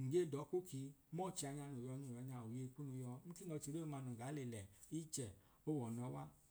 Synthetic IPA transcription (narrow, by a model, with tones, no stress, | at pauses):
ŋ̩˨ɡe˦˨dɔ˨˦ku˦ki˧˦mɔ˦˨t͡ʃi˧a˧ɲa˧no˨jɔ˧nũ˨a˨˧ɲã˧˨u˨je˧k͡pu˦nũ˧jɔ˧˦m̩˦ki˦ɔ˧t͡ʃi˧ɾo˦˧mã˧nũ˨ɡa˨˦le˨lɛ˨i˦t͡ʃɛ˨ | o˦wɔ˨nɔ̃˨˧˦wa˦